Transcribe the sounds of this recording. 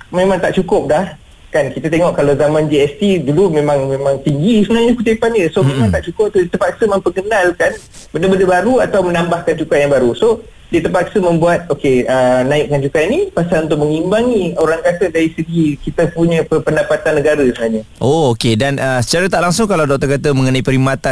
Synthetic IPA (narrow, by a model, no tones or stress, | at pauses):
mẽmãŋt̪aʔt͡ʃukʊp̚lah | kankit̪at̪eŋɔʔkːalawzamãnd͡ʒiɛst̪idulumẽmãŋmemãŋt̪iŋɡisəənaɲəkut͡ʃepanəsomẽmãŋt̪aʔt͡ʃukʊp̚t̪udiət̪əmpat̪̚ksəmə̃mpəɡənalkan | bəndəbəndəbaɾuat̪awmənambahkant͡ʃukajaŋbaɾuso | diət̪əpat̚k̚səmə̃mbuat̪̚okeənãɪʔkant͡ʃukainipasalunt̪ʊʔ̚məŋimbaŋioɾaŋkasədaɾisəɡikit̪əpuɲəpəpəndapat̪anːəɡaɾəsənaɲəʔookedanəsə̥t͡ʃaɾət̪aʔlaŋsʊŋkalawdɔk̚t̪əkat̪əməŋənaipəɾimat̪a